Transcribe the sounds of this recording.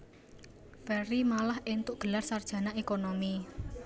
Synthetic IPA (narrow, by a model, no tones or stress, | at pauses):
fɛɾimalahʔent̪ʊʔɡ̥ə̤larsard̥ʒ̥ä̤naʔekonomi